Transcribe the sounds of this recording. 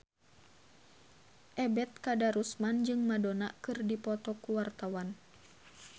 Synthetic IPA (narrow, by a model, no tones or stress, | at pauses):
ʔɛbɛt̪̚kadaɾusmand͡ʒɨŋmadonakɨrdipɔt̪ɔkuwart̪awan